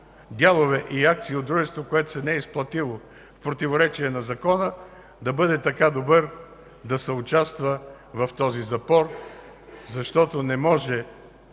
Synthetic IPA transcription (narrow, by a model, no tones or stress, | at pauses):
d̪ʲjalˠovɛʔiak̚t̪siːod̪d̪ɾuʒɛst̪vokoɛt̪o̥sɛnɛɛisplˠɐt̪ilˠo | fpɾot̪ivoɾɛt͡ʃiɛnɐzɐkɔnə | d̪ɐbɤd̪ɛt̪ɐkad̪obəɾ | d̪ɐsɛʊt͡ʃast̪və | vɐft̪ɔzizɐpɔɾ | zɐʃt̪ɔt̪onɛmɔʒɛ